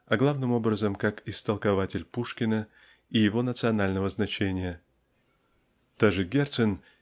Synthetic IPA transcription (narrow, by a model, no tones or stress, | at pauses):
ɐɡlˠavnɨmo̞bɾəzəmkakɪst̪əlˠkɐvatʲɪlʲpuʂkʲɪnə | ijɪvo̞nət̪sɨɐnalʲnəvəznɐt͡ɕenʲɪjə | t̪aʐɨɡʲert̪sɨn